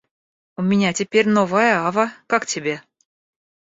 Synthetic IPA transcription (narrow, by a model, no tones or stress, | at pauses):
ʊmʲɪnʲatʲɪpʲerʲnovəjəavəkaktʲɪbʲe